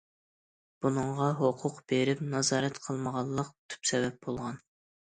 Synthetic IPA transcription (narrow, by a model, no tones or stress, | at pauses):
b̥unɨŋʁɑɦoqʰʊqb̥eɾɪpnɑzɑːɾɛt̪qʰəlˠməʁɑlˠːəq̚t̪ʰy̥psɛvɛp̚bolˠʁɑn